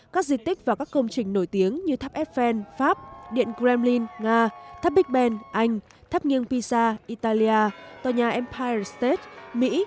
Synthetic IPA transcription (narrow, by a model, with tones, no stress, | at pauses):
kaː˦˥k̚zi˨˩t̪ï˦˥k̟̚vaː˨˩kaː˦˥kːə˧wŋ͡mt͡ɕï˨˩ŋ̟no˧˩jt̪i˨˦əŋɲɨ˧t̪ʰaː˦˥p̚ʔɛ˦˥p̚fɛ˧nfaː˦˥p̚ɗḭ˧˨ənkzɛ˧mli˧nŋaː˧t̪ʰa˦˥p̚ɓï˦˥k̚ɓɛ˧nʔa˧jŋ̟ | t̪ʰa˦˥p̚ŋi˧ənpi˧saː˧ʔi˧t̪aː˧li˧ʔaː˧t̪waː˨˩ɲaː˨˩ʔɛ˧mpʰa˧jə˨˩st̪e˦˥t̚mḭ˧˥